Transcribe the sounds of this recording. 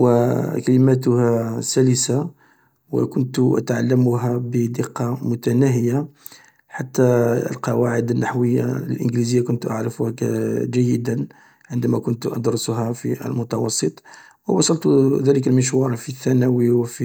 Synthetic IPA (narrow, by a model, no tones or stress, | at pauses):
wəkæləmæt̪̬ʊhæsæləsa | wə̰kʊnt̪ʔə̰t̪ʕalːəmʊɦæbəd̪əqːɑmʊt̪ænæɦəja | ħat̪ːæ̰lqɑwaʕəd̪ənːaħwəjːa̰ləlʔə̰nɡlizəjːakʊnt̪ʔaʕɾəfʊhæd͡ʒæjːəd̪ən | ʕənd̪æmækʊnt̪ʔɑ̰d̪ɾˤsʊɦæfiʔə̰lmʊt̪ɑwɑsˤːət̪ˤ | wəwɑsˤɑlt̪ðæləkəlməʃ̬wɑɾˤɑfiθːænæwiwfi